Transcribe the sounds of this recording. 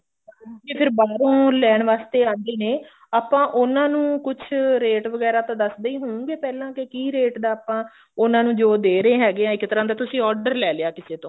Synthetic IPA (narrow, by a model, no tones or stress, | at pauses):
kepʰɪɾbaːɾõːlɛːɳʋaːst̪eːãːnd̪eːneː | aːpãːʔʊnãːnũːkʊt͡ʃʰɾeːʈʋəɡɛːɾaːt̪ãːd̪əsd̪eiːɦoːũːɡeːpɛːlãːkɪkiːɾeːʈd̪aːpãː | ʊnãːnũːd͡ʒoːd̪eːɾəeːɦɛːɡːãːɪkːt̪əɾãːd̪aːt̪ʊsĩːɔːɾɖəɾlɛːleaːkɪseːt̪õː